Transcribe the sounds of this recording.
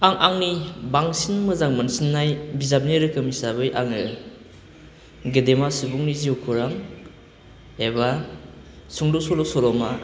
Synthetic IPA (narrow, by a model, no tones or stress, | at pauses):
aŋʔaŋnibaŋsinmɯzaŋmansinːajbizab̚niɾɯkʰɯmisaβɯjʔaŋɯ | ɡɯdemasɯbuŋniziukʰɯɾaŋ | eba | suŋdɔsɔlɔsɔɾɔma